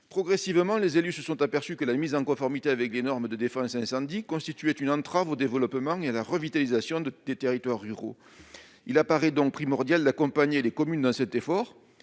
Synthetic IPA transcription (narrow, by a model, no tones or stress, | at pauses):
pχɔɡʁɛsivmɑ̃lezelysəsɔ̃t̪apɛʁsykəlamizɑ̃ŋkɔ̃fɔʁmit̪eavɛklenɔʁməd̪əd̪efɑ̃sɛ̃sɑ̃d̪ikɔ̃st̪it̪yɛt̪ynɑ̃t̪χavod̪evəlɔpəmɑ̃ealaʁəvit̪alizasjɔ̃d̪̥et̪eʁit̪waʁːyʁo̰ | ilapaʁɛd̪ɔ̃ŋk̚pχimɔʁd̪jald̪akɔ̃paɲelekɔmynd̪ɑ̃sɛt̪efɔʁ